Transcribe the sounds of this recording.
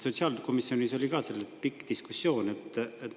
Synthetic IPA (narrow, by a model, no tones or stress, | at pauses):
so̞t̪siɑːlko̞misːjo̞niso̞lʲikɑselːepikːˑd̪̥iskusːjo̞ːne̞t̪ːˑet̪